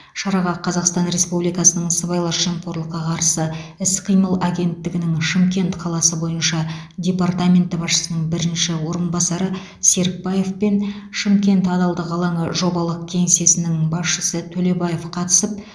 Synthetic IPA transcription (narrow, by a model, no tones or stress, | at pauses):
ʃɑɾɑʁɑqʰɑzɑqst̪ɑnɾe̞spublijkɑsənəɴsəbɑjlˠɑɾʒemqoɾlˠəqːɑqʰɑɾsəɪsqʰijməlˠaɡʲe̞nt̪ːɪɡʲɪnɪŋʃɪmkʲe̞nt̪qʰɑlˠɑsəbo̞jənʃɑ | dʲe̞part̪amʲe̞nt̪ːɪbɑsʃə̥sənəɴbɪɾɪnʃɪwo̞ɾənbɑsɑɾə | se̞ɾk̚baje̞fpe̞nʃɪmkʲe̞nt̪ɑd̪ɑlˠd̪əqɑlˠɑɴəʒo̞bɑlˠəq̚kʲʰe̞ŋse̞sɪnɪŋbɑsʃəsət̪ʰɵle̞baje̞fqʰɑt̪ə̥səp̚